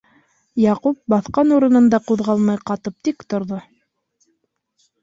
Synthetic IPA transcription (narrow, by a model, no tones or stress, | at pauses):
jɑqup̚bɑθqɑnuɾɤ̆nɤ̆nd̪ɑquðʁɑlˠmɑjqɑt̪ɤp̚t̪ikt̪ŏɾðo